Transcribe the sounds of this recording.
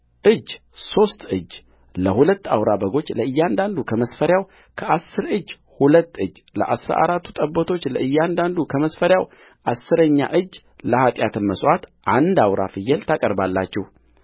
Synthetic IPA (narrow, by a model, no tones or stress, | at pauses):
ʔɨd͡ʒː | so̞st̪ɨd͡ʒː | ləhulət̪ːa̰wɾabəɡo̞t͡ʃːləɨjːand̪and̪ukʰəməsfəɾjaw | kʰəʔasːɨɾɨd͡ʒː | hulət̪ːɨd͡ʒːlə̰ʔasɾa̰ʔa̰ɾat̪ːu̥t̪ʼəbːət̪ʰo̞t͡ʃːləʔɨjːand̪and̪ukʰəməsfəɾjaw | ʔasːɨɾəɲːa̰ʔɨd͡ʒː | ləhat̪ʼjat̪ʰɨnməswat̪ʔand̪awɾa̰fɨjɛlt̪ʰakʼəɾbalːat͡ʃːɛh